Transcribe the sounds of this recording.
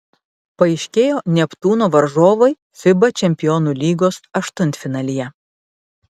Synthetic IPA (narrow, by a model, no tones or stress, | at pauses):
pɐɪʃʲkʲeːjoːnʲɛpt̪uːnoːʋɐɾʒoːʋɐɪ | fʲɪbɐt͡ʃʲɛmʲpʲɪjɔnuːlʲiːɡoːsɐʃt̪ʊnʲt̪ʲfʲɪnɐːlʲijɛ